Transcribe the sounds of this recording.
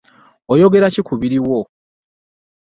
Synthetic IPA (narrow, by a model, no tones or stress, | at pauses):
ojo̞ɡe̞ɾacikʰuβiɾiwo